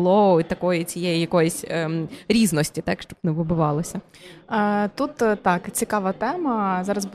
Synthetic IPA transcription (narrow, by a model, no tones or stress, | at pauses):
lˠɔit̪ɐkɔjit͡sʲijɛjijɐkɔjɪsʲəɾʲiznɔsʲtʲit̪ɑkʃt͡ʃɔbnɛʋɪbʊʋɑlˠɪsʲɐ | t̪ut̪t̪ɑkt͡sʲikɑʋɐt̪ɛmɐzɑɾɐzb